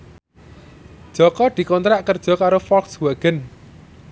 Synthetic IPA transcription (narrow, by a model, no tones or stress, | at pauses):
d̥ʒ̥ɔ̤kɔd̪̥i̤kɔnt̪ɾaʔkərd̥ʒ̥ɔ̤kaɾofɔlkswɛɡ̥ən